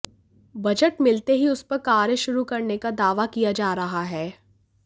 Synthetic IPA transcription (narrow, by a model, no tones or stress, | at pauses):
bɐd͡ʒəʈmɪlt̪eɦiʊspɐɾkaːɾjəʃʊɾukɐɾnekad̪aːʋakijad͡ʒaːɾɐɦaɦɛː